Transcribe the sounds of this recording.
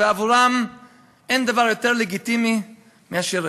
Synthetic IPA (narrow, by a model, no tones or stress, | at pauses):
eavuɾam | ɛndavaɾjotɛɾlɛɡit̪imi | miaʃiɾ